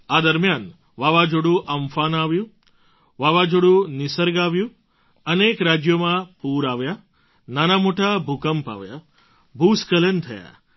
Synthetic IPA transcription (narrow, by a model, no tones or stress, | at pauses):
ad̪əɾmjan | ʋaʋad͡ʒoɽũʔəmfanaʋjũ | ʋaʋad͡ʒoɽũnɪsəɾɡaʋjũ | ənekɾad͡ʒjomãpuɾaʋja | nanamoʈabʱukəmpa̰ʋja̰ | bʱuskələnt̪ʰəja̰